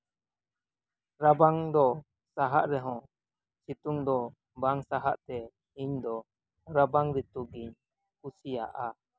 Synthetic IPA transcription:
ɾabaŋd̪ɔ | saɦaʔɾɛɦɔ̃ | sit̪uŋd̪ɔ | baŋsaɦa̰ʔt̪ɛ | iɲd̪ɔ | ɾabaŋɾit̪uɡiɲ | kusija̰ʔa

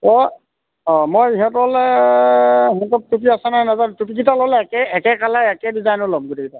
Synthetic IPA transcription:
ɔ | ɔ̃mojiɦɛtɔlɛ | ɦɔŋtɔp̚tupiasɛnajnazantupikitalɔlɛkɛɛkɛkalaɛkɛdizajnʊlɔmɡutʰikita

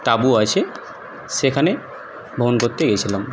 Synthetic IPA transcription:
t̪abuat͡ɕʰe | ʃekʰane | bʱobonkoɾt̪eɡet͡ɕʰilam

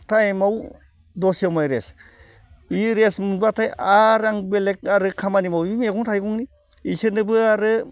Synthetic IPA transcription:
tʰajmaw | dɔsijawmajɾes | iɾesmɯnbatʰajaɾaŋbelek̚aɾɯkʰamanimawimeɡɔŋtʰajɡuŋni | isɯnɯbɯaɾɯ

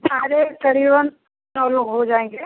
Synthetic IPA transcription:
sʰaːɾekɐɽiːʋən | nɔːlokɦod͡ʒaːẽːŋɡeː

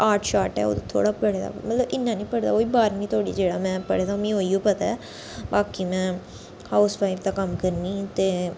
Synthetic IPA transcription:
aːʈʰʃaːʈɛ̰ːo̰ːt̪oːt̪ʰo̰ːɽaːpəɽeːd̪a̰ːmət̪ləbɪnːãːnĩːpəɽd̪a̰ːoːiːbaːɾnĩːt̪ʰoːɽḭːd͡ʒeːɽaːmɛ̃ːpəɽeːd̪amĩːɦoːijoːpət̪aɛː | baːkiːmɛ̃ː | haːʊspʰaːɪɾt̪aːkəmkəɾniːt̪eː

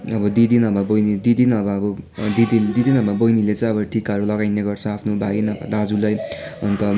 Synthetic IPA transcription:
ʌbʌd̪id̪inʌbʱabʌjnid̪id̪inʌbʌʌbʌd̪id̪id̪id̪inʌbʱabʌjnilet͡sʌ̃j̃ʌbʌʈʰikʌɾulʌɡajneɡʌrt͡sʰʌapʰnobʱaɡinʌbʱa̰d̪ad͡zulajʌnt̪ʌ

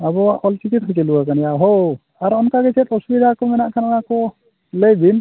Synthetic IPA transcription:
abɔwaʔɔlt͡ʃikit̪̚kʰɔt͡ʃɛluakanijaɦo | aɾɔnkaɡɛt͡ʃʰɛt̪ɔsubid̪ʱakɔmɛnaʔkʰananakɔ | ləjbin

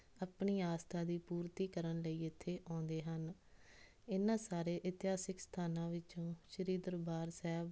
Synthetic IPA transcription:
apɳiːaːst̪ʰaːd̪iːpuːɾt̪iːkəɾənləiːɪt̪ʰːeːʔɔ̃ːnd̪eːɦən | ɪnãːsaːɾeːʔɪt̪ɪɦaːsɪkst̪ʰaːnãːʋɪt͡ʃõːʃəɾiːd̪əɾbaːɾsɛːb

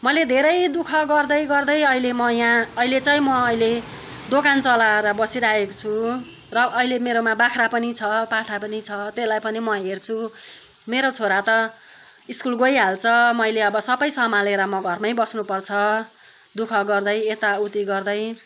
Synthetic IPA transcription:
mʌled̪ʱeɾʌjd̪ukʰʌɡʌrd̪ʌjɡʌrd̪ʌjʌɦilemʌjãːilet͡saj̃mʌːile | d̪okant͡sʌlaɾʌbʌsiɾaekot͡sʰu | rʌʔːilemeɾomabakʰɾapʌnit͡sʰʌpaʈʰapʌnit͡sʰʌt̪elajpʌnimʌɦert͡sʰu | meɾot͡sʰoɾat̪ʌ | iskulɡojɦalt͡sʰʌmʌjleʌbʌsʌbʌjsʌmaleɾʌmʌɡʱʌrmʌjbʌsnupʌrt͡sʰʌ | d̪ukʰʌɡʌrd̪ʌjet̪aut̪iɡʌrd̪ʌj

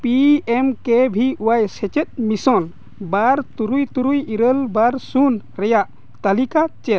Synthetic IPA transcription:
piemkebʱiuwajsɛt͡ʃɛt̪̚misɔl | baɾt̪uɾujt̪uɾujiɾəlbaɾsun | ɾɛjaʔ | t̪alikat͡ʃɛl

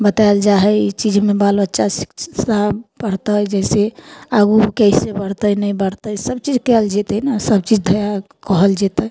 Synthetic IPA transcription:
bət̪ald͡ʒaɦɛit͡ʃid͡ʒmebalbətːʃʰasi̥kabəɽt̪əjd͡ʒɛseaɡukəɪsebəɽt̪ənəjbəɽt̪əjsəbt͡ʃid͡ʒkɛld͡ʒet̪ənasəbt͡ʃid͡ʒd̪ʱəja | kɔɦəld͡ʒet̪əj

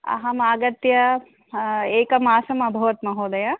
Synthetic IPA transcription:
ɐ̰ɦɐmaːɡɐt̪jɐ | eːkɐmaːsɐmɐbʱɐʋɐt̪mɐɦoːd̪ɐjɐ

